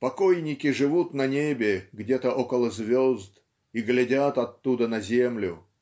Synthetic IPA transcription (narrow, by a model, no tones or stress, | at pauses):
pɐkojnʲɪkʲɪʐɨvut̪nɐnʲebʲɪɡdʲet̪əʔokəlˠəzʲvʲozd̪ | iɡlʲɪdʲat̪ɐt̪ːud̪ənɐzʲemlʲʊ